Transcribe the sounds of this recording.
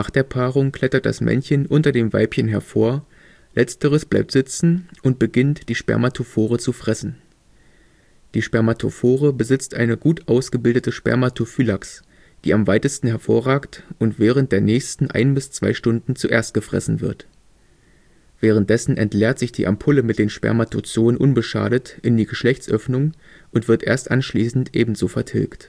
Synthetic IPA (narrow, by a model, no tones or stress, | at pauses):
aːχd̥eːɐpʰaːʁʊŋkʰl̥ɛtɐt̚d̥a̰smʔɛ̰nçənʔʊntɐdeːmva̰ɪpçənɦɛɐfoːɐ | lʔɛt͡stəʁəsb̥la̰ɪp̚tz̥ɪt͡sn̩ʊnt̚b̥əɡɪntd̥iːʃpɛ̰ɐmatʰofoːʁət͡sufʁ̥ɛsn̩ | d̥iːʃpɛɐmatʰo̰foːʁəbəzɪt͡stʔa̰ɪnəɡuːtʔaʊsɡ̥əbɪldətəʃpɛ̰ɐmatʰufylaks | d̥iːamvaɪtəstn̩hɛɐfo̰ːɐʁaːktʔʊntv̥ɛːʁ̞ənt̚d̥eːɐnɛːçstn̩ʔa̰ɪnbɪst͡sv̥a̰ɪʃtʊndn̩t͡suʔeːɐst̚ɡ̥əfʁ̥ɛ̰sn̩vɪ̰ɐt | v̥ɛːʁ̞ənt̚d̥ɛsn̩ʔɛ̰ntlɛːɐtz̥ɪçd̥ḭːʔa̰mpʰʊləmɪt̚d̥eːnʃpɛ̰ɐmatʰot͡soːənʔʊnbəʃa̰ːɾətʔɪndiːɡəʃlɛçt͡sʔœfnʊŋ | ʔʊntv̥ɪɐtʔeːɐstʔanʃliːsn̩tʔḛːbm̩zoːfɛɐtʰɪ̰lkt